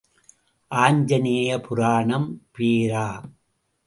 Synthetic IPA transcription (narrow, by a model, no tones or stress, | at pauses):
ʔaːɲd͡ʒɐneːjɐpʊɾaːɳɐmpeːɾaː